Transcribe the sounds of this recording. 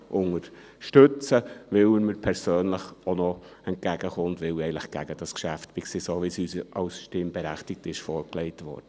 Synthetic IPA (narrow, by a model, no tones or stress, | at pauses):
ʔʊŋəɾ | ʃtɵt͡səʋɪlməɾpʰɛɾsøːnləχonɔɛnt̚ɡ̥æɡ̥əχʊntʋɪlɛɪnləχɡ̥æɡəd̥ɑskʃæftb̥ikseːsoʋisyːsʔɑʊsʃteːmbɛɾæχtɪk̚tɪʃfɔɾklɛɪtʋɔ̰ːɾd̥ə